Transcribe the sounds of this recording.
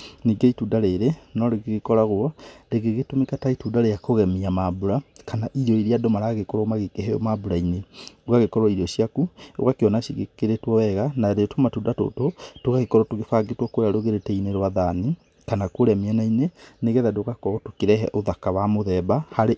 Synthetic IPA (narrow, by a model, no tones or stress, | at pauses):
niːɡeituːdaɾeɾenɔɾeɣeɣekɔɾaɣwɔɾeɣeɣetomekataituːdaɾejakoɣɛmiamabuɾakanaʔiɾjɔiɾiadomaɾaɣekɔɾɔmaɣekeɦɛjɔ̰mabuɾaineɡwaɣekɔɾwɔiɾɔʃiakuo̰ɣakeɔnaɕiɣekeɾetwɔwɛɣanaɾeɔtomatuːndato̰totokaɣekɔɾɔtoɣefaɡetwɔkoɾeaɾoɣeɾetɛineɾwaðani | kanakoɾamiɛnaineneɣɛðadoɣakɔɔtokeɾɛɦɛ̰ʔoðakawamoðɛbahaɾe